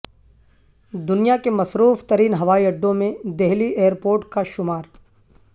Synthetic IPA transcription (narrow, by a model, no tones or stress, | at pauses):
d̪ʊnijakemɐsɾuːft̪ɐɾiːnɦɐʋaːiɐɖːõmẽd̪eɦliʔeːəɾpoːɾʈkaʃʊmaːɾ